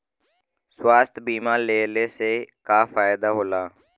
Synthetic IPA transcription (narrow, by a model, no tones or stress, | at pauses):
swaːst̪biːmãːleːleːseːkaːfaːɪd̪aːɦoːlaː